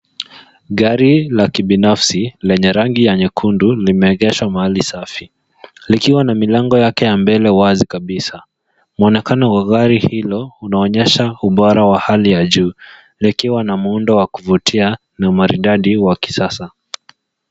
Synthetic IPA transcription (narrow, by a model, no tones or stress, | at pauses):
ɣaɾilakiɓinafsilɛɲɛɾaŋɡijɛɲɛkʰundulimɛːɣɛʃwamahalisafi | likiwanamilaŋɡɔjakɛjambɛlɛwazikaɓisa | muɔnɛkanɔwaɣaɾihilɔunaɔɲɛʃauɓɔɾawahalijaʄuː | nikiwanamundɔwakuvutʰia | naumaɾidaɗiwaki̥sasa